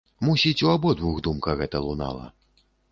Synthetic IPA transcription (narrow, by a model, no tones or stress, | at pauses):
musʲit͡sʲuabɔd̪vuɣd̪umkɐɣɛt̪ɐlˠuna̰lˠɐ̰